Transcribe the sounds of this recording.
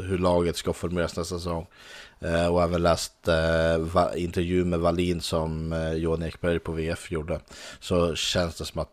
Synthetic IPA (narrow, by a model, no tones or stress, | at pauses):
ɦɵɭɑːɡət̪skafɔɾmɵeːɾasnɛst̪asɛsɔŋː | ɔæːvənlɛːst̪v̰ɪnt̪əɾjʉ̟ːmɛvaliːnsɔmjuːanɛkbɛɾjpʰɔveːɛfjuɖəsɔɕɛnsd̪ɛsɔmat̪